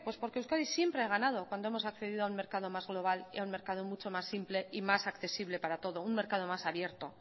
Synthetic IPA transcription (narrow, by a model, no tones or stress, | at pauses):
pwespo̞ɾkeuskaɾisje̞mpɾeaɣ̞anað̞o̞kwand̪o̞emo̞sakθe̞ðiðoaunme̞ɾkað̞o̞mazɣlo̞β̞alḭaunme̞ɾkað̞o̞mut͡ʃo̞masːimple̞ʔimasakθe̞siβle̞paɾat̪o̞ðounme̞ɾkað̞o̞masaβje̞ɾt̪o̞